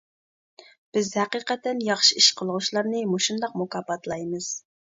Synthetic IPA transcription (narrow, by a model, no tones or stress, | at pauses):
b̥ɪzhæqiːqɛt̪ːɛnjɑχʃiiʃqʰəlˠʁʊʃlˠɑɾnɨmoʃund̪ɑqmokɑːpɑt̪ʰlˠɑjmɨz̥